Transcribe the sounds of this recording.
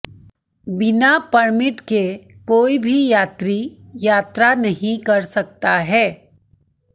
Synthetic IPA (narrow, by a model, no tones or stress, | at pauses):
bɪnapɐɾmɪʈkekoːibʱijaːt̪ɾijaːt̪ɾanɐɦĩkɐɾsɐk̚t̪aɦɛː